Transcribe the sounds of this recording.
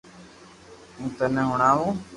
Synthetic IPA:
ũːt̪ənɛ̃ːɦʊɳaːʋoː

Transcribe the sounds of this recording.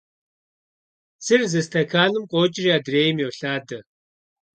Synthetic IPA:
sʰɨrzɨstʰɐkʰaːlɨmqʷʼɔːt͡ʃʼɪriaːdreːjɪmjɛwɬaːdɐ

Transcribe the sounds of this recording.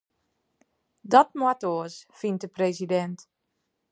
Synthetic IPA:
dɔt̚mwatoəsfint̚dəpresidɛnt

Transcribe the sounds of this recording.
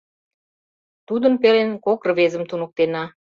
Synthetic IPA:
t̪ud̪ə̆npelenkokrə̆βezə̆mt̪unə̆k̚t̪enɑ

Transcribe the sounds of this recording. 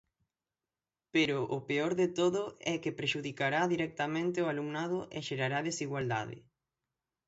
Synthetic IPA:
peɾʊʔʊpeɔɾðet̪oðʊɛkepɾeʃuðikaɾaðiɾɛk̚t̪amẽnt̪ɪoaluŋnað̞ʊʔeʃeɾaɾaðesiɣwald̪a̰ðɪ̰

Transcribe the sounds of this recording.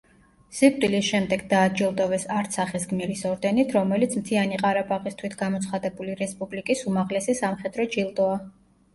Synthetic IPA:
z̥ip̚ʼt̪ʼilisʃɛmd̪ɛɡd̪aːd͡ʒilˠd̪ʼɔvɛsaɾt̪ʰsaχisɡmiɾisɔɾd̪ɛnit̪ʰɾɔmɛlit̪sʰmt̪ʰianiqʼaɾapʼaʁist̪ʰwit̪ʰɡ̥amɔt̪sʰχad̪ɛbuliɾɛspʼublikʼisumaʁlɛsisamχɛd̪ɾɔd͡ʒilˠt̪ʼɔa

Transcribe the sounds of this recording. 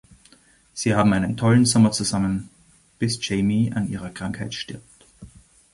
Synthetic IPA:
z̥iːhaːbm̩aɪnəntʰɔln̩zɔmɐt͡suzamən | b̥ɪst͡ʃeɪmia̰nʔiːʁɐkʁ̥aŋkhaɪtʃtɪɐp̚t

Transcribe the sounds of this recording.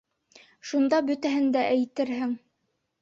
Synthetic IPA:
ʃund̪ɑbɵ̆t̪æɦɘnd̪æʔæjt̪ɘɾɦɘŋ

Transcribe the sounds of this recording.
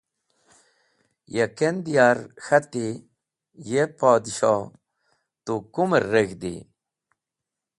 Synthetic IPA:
jekend̪ijaːɾxɐt̪i | jepaːd̪iɕa | t̪ukumɾːeɡd̪ḭ

